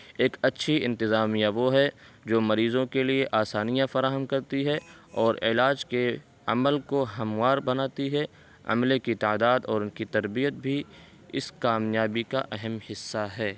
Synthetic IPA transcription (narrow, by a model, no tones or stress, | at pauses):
eːkɐtːʃʰiɪ̃nt̪ɪzaːmijaʋoɦɛ | d͡ʒoːmɐɾiːzõkelieʔaːsaːnijãfɐɾaːɦəmkɐɾt̪iɦɛɔːɾɪ̰laːd͡ʒke | ɐ̰məlkoɦɐmwaːɾbɐnaːt̪iɦɛ | ɐ̰mlekit̪aːd̪aːd̪ɔːɾʊnkit̪ɐɾbijət̪̚bʱi | ɪ̰skaːmjaːbikaʔɐɦɛmhɪsːaɦɛː